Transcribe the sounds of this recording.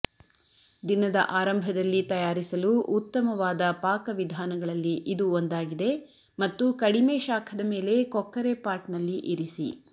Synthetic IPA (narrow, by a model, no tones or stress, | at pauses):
d̪inɐd̪ɐ̰ʔaːɾɐmbʱɐd̪ɐlːit̪ɐjaːɾisɐluʔut̪ːɐmɐʋaːd̪ɐpaːkɐʋid̪ʱaːnɐɡɐɭɐlːiʔid̪uond̪aːɡid̪e̞ | mɐt̪ːukɐɽimeːʃaːkʰɐd̪ɐme̞ːle̞kɔkːɐɾe̞paːɾʈnɐlːiʔiɾisḭ